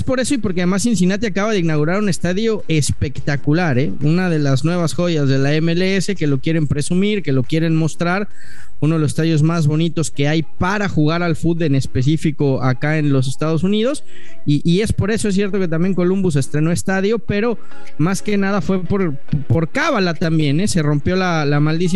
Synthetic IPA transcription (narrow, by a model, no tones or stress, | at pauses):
espo̞ɾe̞so̞ipo̞ɾkeað̞e̞mas̬ins̬inat̪̬iakaβaðeinaɣuɾaɾune̞st̪aðjo̞ʔe̞spe̞kt̪akulaɾe̞unað̞e̞laznwe̞β̞asxo̞ʝazðe̞laemeleese̞ke̞lo̞kje̞ɾe̞mpɾe̞sumiɾke̞lo̞kje̞ɾe̞nmo̞st̪ɾaɾ | unoðelose̥st̪aðjo̞zmazβo̞nit̪o̞ske̞ajpaɾaxuɣ̞aɾalfud̪ene̞spe̞s̬ifiko̞akae̞nlo̞s̬e̞st̪að̞o̞s̬unið̞o̞s | iʔie̞spo̞ɾe̞soes̬je̞ɾt̪o̞ket̪̬ambje̞ŋko̞lumbus̬e̞st̪ɾe̞no̞est̪aðjo̞pe̞ɾo̞ | maske̞nað̞afwe̞poɾ | poɾkaβalat̪ambje̞nese̞ro̞mpjo̞la | lamald̪is̬i